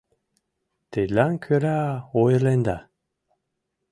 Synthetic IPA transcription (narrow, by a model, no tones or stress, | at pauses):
t̪elaŋkʰøɾaojɾlend̪a